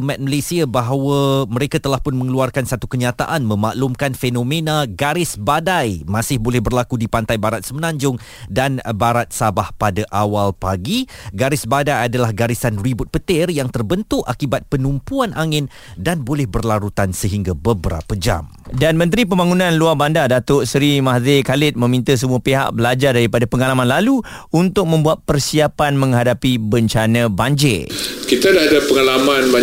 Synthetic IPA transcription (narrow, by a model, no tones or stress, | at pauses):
mɛt̪̚məlesiabaɦawəməɾekat̪əlahpʊnmə̃ŋluarkansat̪ukəɲat̪aʔanmə̃maʔlumkanfenõmẽnãɡaɾɪsbadajmasɪhbolɛhbərlakudipant̪ajbaɾat̪̚səmənãɲd͡ʒʊŋ | danbaɾat̪̚sabahpadaʔawalpaɡiɡaɾɪsbadajadalahɡaɾisanribʊt̪̚pət̪ɪrjaŋt̪ərbənt̪ʊʔakibat̪̚pənumpuanʔaŋɪn | danbolɛhbərlaɾut̪ansəɦiŋɡabəbəɾa̰pəd͡ʒa̰m | danmə̃nt̪ɾip̬əmbaŋunãnluarbandadat̪oʔsɾimahzekalɪt̪̚mə̃mĩnt̪əs̬əmuapeɦa̰ʔ̚bəlad͡ʒardaɾipadapəŋalamãnlalu | unt̪ʊk̚mə̃mbuat̪̚pərsiapanmə̃ŋɦadapibəɲt͡ʃanãbaɲd͡ʒḛkit̪adadapəŋalamãnba